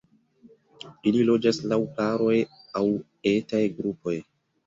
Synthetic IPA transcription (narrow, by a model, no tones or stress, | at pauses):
ililo̞d͡ʒaslawkaɾo̞jaw | e̞tajɡɾupʰo̞j